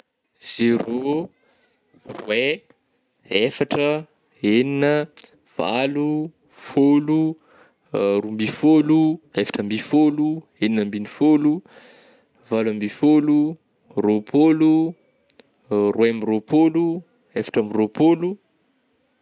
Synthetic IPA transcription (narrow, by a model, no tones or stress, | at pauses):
z̥ero | rwe | efaʈ͡ʂə | eninə | v̥a̰lu | folu | ɾumbifoluefḁʈ͡ʂəmbifolueninəmbinifolu | valwambifolu | ropʰolu | rwemiropolu | efḁʈ͡ʂamiropolu